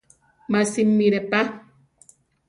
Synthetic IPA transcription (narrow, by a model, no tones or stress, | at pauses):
masimːiɾɛpa